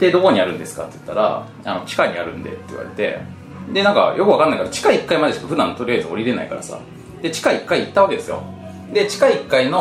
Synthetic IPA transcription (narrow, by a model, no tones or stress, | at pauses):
d̪e̞d̪o̞ko̞ɲ̟iaɾɯ̟̃nd̪e̞sɨ̥ka̰t̪ːejɯ̟̥t̪ːaɾa̰ | a̰no̞t͡ɕi̥kaiɲ̟iaɾɯ̟̃nd̪e̞̰t̪ːei̟βa̰ɾe̞̰t̪e̞̰ | d̪e̞nãŋka̰jʔo̞kɯ̟βakanːaikad̪ot͡ɕi̥kaiːkːaimad̪et͡ɕo̥t̪ːoɸɯ̟d̪ãnːot̪o̞ɾijazɨoɾʲiɾe̞naikaɾasa̰ | d̪̥e̞t͡ɕi̥kaikːaiːt̪ːaβake̞d̪e̞sɨjo̞̰ | d̪e̞t͡ɕi̥kaiːkːaino̞